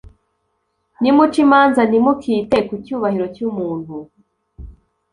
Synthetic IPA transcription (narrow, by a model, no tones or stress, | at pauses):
nimut͡ʃimaːnzanimukʰiːte̞kucuːβahiɾo̞cumuːn̥hu